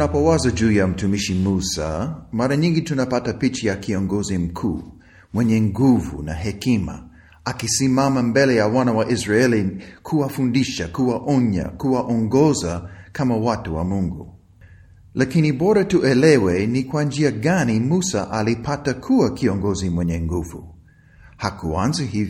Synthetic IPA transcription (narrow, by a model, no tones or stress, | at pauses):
napɔwazad͡ʒuːjam̩tumiʃimusa̰maɾaɲĩŋɡitunapatapit͡ʃajakiɔŋɡɔzim̩kʰuː | mwɛɲɛŋɡuvṵna̰ɦɛkima̰ | akisimamambɛlɛjawanawaʔizɹaɛlikʰuwafundiʃakuwaʔɔɲa̰kuwaʔɔŋɡɔzakʰamawatuwa̰muŋɡu | lʔakinibɔɾatuʔɛlɛwɛnikwand͡ʒiaɡanimusa̰ʔalipʰatakʰuakiɔŋɡɔzimwɛɲɛŋɡuvu | hakuanzihivj